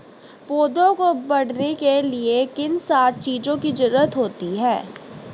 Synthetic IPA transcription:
poːd̪õkobɐɽnekeliekɪnsaːt̪̚t͡ʃiːd͡ʒõkid͡ʒʊɾuːət̪ɦoːt̪iɦɛː

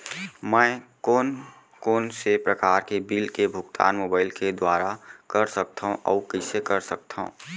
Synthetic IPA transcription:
mɛ̃ː | oːn | koːnsepɾəkaːɾkebiːlkebʱʊɡt̪ʰa̰ːnmoːbaːɪlked̪waːɾakɐɾsək̚t̪ʰaɦõʔɔ̰ːkəsekɐɾsək̚t̪ʰaɦṵ̃ː

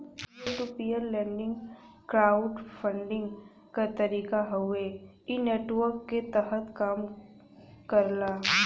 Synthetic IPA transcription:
ʈupijəɾlɛ̃ːɳɖɪ̃ŋɡ | kɾaːʊɖfʰə̃ɳɖɪ̃ŋɡ | kat̪ɐɾiːkaɦʊe | ineːʈʋəɾkːet̪əɦət̪kaːm | kəɾlaː

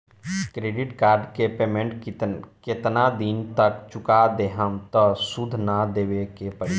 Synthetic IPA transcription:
kɾeːɖɪʈkaːɾɖkepeːmẽɳʈ̪ket̪nad̪int̪əkt͡ʃʊkad̪eɦəmt̪əsud̪ʱnad̪eːwekepəɾi

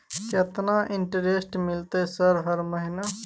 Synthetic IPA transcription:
ket̪naʔɪɳʈəɾesʈmilt̪esəɾɦəɾməɦina

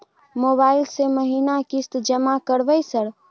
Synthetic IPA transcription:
mobailseməɦinakist̪d͡ʒəmakəɾbəjsəɾ

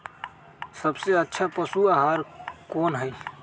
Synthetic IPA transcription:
səbseətːʃʰapəsuaɦaːɾkoːnɦəi

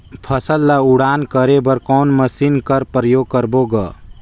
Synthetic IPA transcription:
pʰəsəlːauɽaːnkəɾebəɾkɔːnməsinkəɾpɾəjoːɡ̚kəɾboɡə

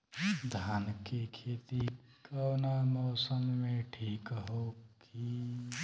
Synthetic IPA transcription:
d̪ʱaːnkekʰet̪i | kəwnamɔːsəmːeʈʰiːkɦok | i

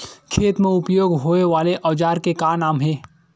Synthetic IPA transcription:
kʰeːt̪mẽʊpjoːɡɦoːeʋaːleʔɐʋd͡ʒaːɾkekaːnaːmɦɛː

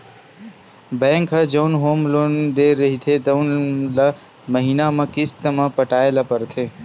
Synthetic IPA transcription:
bɛ̃ːŋkɦɐd͡ʒɐʊnɦoːmlond̪eɾɐɦit̪ʰet̪ɐʊnla | məɦiːnamɐ̃kɪst̪əmãpəʈaːelapəɾt̪ʰeː

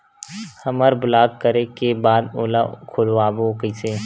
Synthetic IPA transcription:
hɐməɾbʊlaːɡ̚kəɾekebaːd̪oːla̰kʰoloaːbokəse

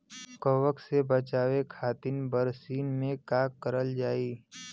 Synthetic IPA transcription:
kəʋəksebət͡ʃaːwekʰaːt̪ɪnbəɾsiːnmẽkaːkːəɾəld͡ʒaːiː

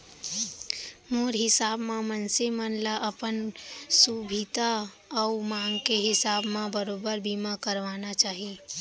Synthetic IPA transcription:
moːɾɦɪsaːbmãmənsemənlaʔəpənsubʱit̪a | ɔːmãːŋkeɦɪsaːbmãbəɾoːbəɾbiːmakəɾʋaːnat͡ʃaːɦie

